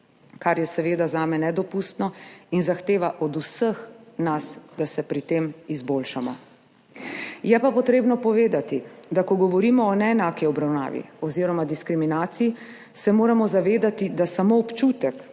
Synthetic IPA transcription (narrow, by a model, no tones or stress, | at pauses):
kaɾjɛsɛʋeːd̪azaːmɛnɛd̪ɔpust̪nɔinzaxt̪eːʋaʔɔd̪usəxnasd̪asɛpɾit̪eːmizbolʃamɔ̰ | jɛpapɔt̪ɾeːbnɔpɔʋeːd̪at̪id̪akɔɡɔʋɔɾiːmɔɔnɛːnaːkiɔbɾawna̰ːʋḭɔziːɾɔmad̪iskɾiminaːt̪siji | sɛmoːɾamɔzaʋeːd̪at̪id̪asamoːpt͡ʃut̪ɛk